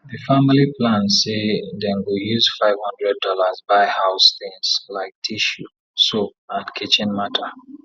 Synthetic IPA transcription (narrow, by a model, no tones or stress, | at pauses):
ðɨfamiliplãnseðɛ̃nɡojuzfaɪv̥hʌ̃ndɹɛd̚ɔlazbaɪhaʊsθĩŋz̥laɪk̚tʰiʃu | soatkʰit͡ʃɪ̃nmatʰə